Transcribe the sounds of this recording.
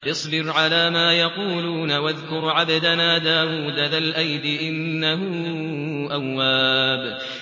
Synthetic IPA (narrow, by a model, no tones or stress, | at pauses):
ʔɨsˤbɪɾʕalaːmaːjɑquːluːnawaðkʊɾʕad̪ad̪anaːd̪aːwuːd̪alalʔajd̪ɪʔɪnːaɦʊ | ʔawːaːb